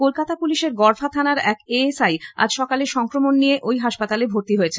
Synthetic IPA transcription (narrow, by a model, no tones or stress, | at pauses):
kolkat̪apuliʃeɾɡɔɾfʰat̪ʰanaɾɛkeesaja̰d͡ʑʃɔkaleɾʃɔŋkɾomonːijeʔojɦaʃpat̪alebʱoɾt̪iɦojet͡ɕʰe